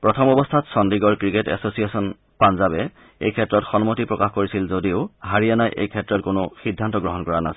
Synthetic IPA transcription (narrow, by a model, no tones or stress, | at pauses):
pɹɔtʰɔmɔbɔstʰatsɔndiɡɔɹkɹiketɛ̰sosiesɔn | panzabɛ | ḛjkʰɛtːɹɔtxɔnmotipɹɔkaxkoɹisilzodioʊɦaɹijanajʔḛjkʰɛtɹɔtkonʊxidʱːantɔɡɹɔɦɔnkɔɹana̰s